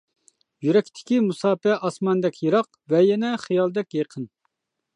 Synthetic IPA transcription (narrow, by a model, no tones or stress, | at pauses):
jyɾɛkʲt̪ʰɪ̥kʲimusɑːpɛʔɑsmɑnd̪ɛkʲʰjeɾɑq | vɛjɛnɛχijɑlˠd̪ɛkʲjeqʰən